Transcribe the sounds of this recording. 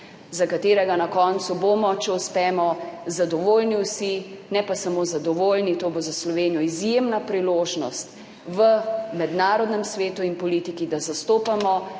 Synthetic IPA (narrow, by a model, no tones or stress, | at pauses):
zakat̪eːɾɛɡanakɔːnt̪suboːmɔt͡ʃɛuspɛːmɔzad̪ɔʋoːlniwsinɛpasamoːzad̪ɔʋoːlnit̪oːbozaslɔʋeːnijɔizjemnapɾiloːʒnɔst̪ | ʋəmɛd̪naːɾɔd̪nɛmsʋeːt̪uinpɔliːt̪ikid̪azast̪oːpamɔ